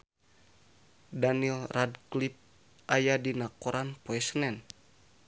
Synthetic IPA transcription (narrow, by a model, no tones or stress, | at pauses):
danilradklip̚ | ʔajadinakoɾanpoɛsənɛn